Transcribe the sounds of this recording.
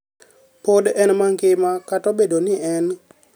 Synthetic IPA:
podɛnmaŋɡɪmakatɔbedonɪɛn

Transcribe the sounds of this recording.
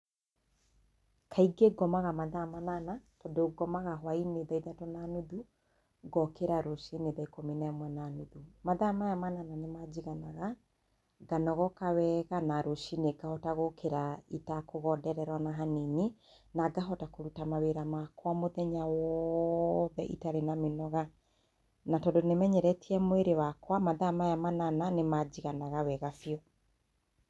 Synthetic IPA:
kʰaiɡeɡɔmaɣamaðamananatɔdoɡɔmaɣaɦwaineðaiðatonanuðu | ɡɔkeɾaɾoʃineðaikominaɛmwɛnanoðumaðamaamanananemad͡ʑiɣanaɣa | ɡanɔɣɔkawɛɣanaɾoʃineɡahɔtaɣokeɾaitakoɣɔdɛɾɛɾwanaɦanini | naɡaɦɔtakoɾutamaweɾamakwamoðɛɲawɔ | ðɛʔḭtaɾenamenɔɣa | natɔdonemɛɲɛɾɛtiɛmoeɾewakwamaðamajamanananemad͡ʑiɣanaɣawɛɣafiɔ

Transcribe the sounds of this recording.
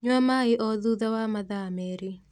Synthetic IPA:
ɲwamaeʔɔðuðawamaðamɛɾe

